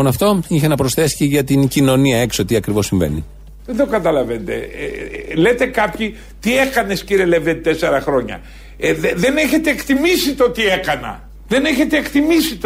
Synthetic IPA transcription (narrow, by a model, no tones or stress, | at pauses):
onɐft̪o̞içenɐpɾosθesi̥ceʝɐt̪incino̞niɐe̞ksot̪iɐkɾivo̞siɱve̞̰ni | eðokɐt̪ɐlɐvend̪ḛ | le̞t̪e̞kɐpçi | t̪ie̞kɐne̞sciɾielevðet̪e̞se̞ɾɐxɾo̞ɲɐ̰ | eeðe̞neçe̞t̪e̞ːkt̪imisit̪o̞t̪ie̞kɐnɐ̰ | ðe̞ne̞çe̞t̪eːkt̪imisit̪